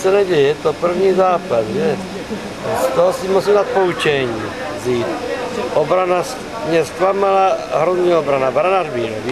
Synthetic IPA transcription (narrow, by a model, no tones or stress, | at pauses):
sɛnɛɟɛjɛjɛt̪opr̩vɲiːzaːpasʒɛ | st̪oɦosimusimd̪aːt̪̚pout͡ʃɛɲiː | ziːt̪ʔobɾanas | mɲɛst̪vamalaɦɾozɲiːobɾanabɾanaʒbiːɾov